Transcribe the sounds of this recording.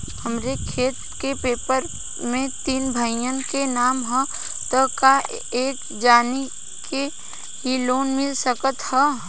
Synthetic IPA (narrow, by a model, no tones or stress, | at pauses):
hɐmɾekʰeːt̪kepeːpəɾ | mẽt̪iːnbʱəɪjənkenaːmɦə̃ | t̪əka | eːk | d͡ʒaːni | ke | ɦiloːnmɪlsəkət̪hɛ